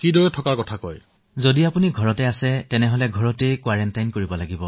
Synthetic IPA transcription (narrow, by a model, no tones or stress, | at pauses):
kidoɹɛtʰɔkaɹkɔtʰakɔ̰j | zodiapuniɡʱɔɹɔtɛasɛtɛnɛɦolɛɡʱɔɹɔtekwaɹɛntajnkoɹibɔlaɡibɔ